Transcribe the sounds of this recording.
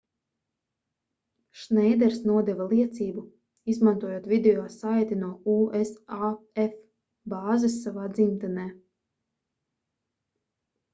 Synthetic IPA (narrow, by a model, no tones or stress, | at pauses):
ʃnɛjd̪ɛɾsnuɔd̪ɛvalˠiɛt̪siːbu | izmant̪uɔjoɔːt̪vʲid̪eɔːsajt̪inuɔuːesaɛf | baːzɨsːavaːd̪zimt̪anɛː